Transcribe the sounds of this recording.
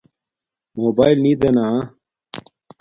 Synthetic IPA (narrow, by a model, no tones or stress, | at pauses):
moːbaːjlniːd̪ena